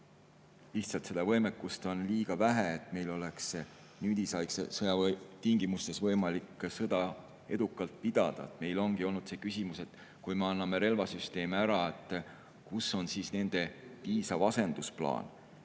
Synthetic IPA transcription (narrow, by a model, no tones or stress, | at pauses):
liht̪sɑlt̪se̞d̪̥ɑvɤjmekːˑust̪o̞nliːɡ̥ɑvæɦeet̪ˑme̞jlo̞leks | nyːd̪isɑjksḛsɤjɑt̪iŋɡ̥imust̪e̞svɤ̞jmɑlikːsɤd̪̥ɑ | e̞d̪ukːˑɑlt̪̚pid̪̥ɑd̪̥ɑ̰et̪me̞jlo̞nɡ̥io̞lnud̪̥se̞ːkysimuse̞t̪ˑ | kujme̞ɑnːɑme̞ɾe̞lvɑsyst̪e̞ːmeæɾɑet̪ːˑ | kusːo̞nsiːsne̞nd̪̥e̞viːsɑvɑse̞nd̪̥usplɑ̰ːn